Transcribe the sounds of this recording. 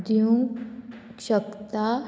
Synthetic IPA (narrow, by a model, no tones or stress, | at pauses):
d̪juŋ | ɕəkt̪a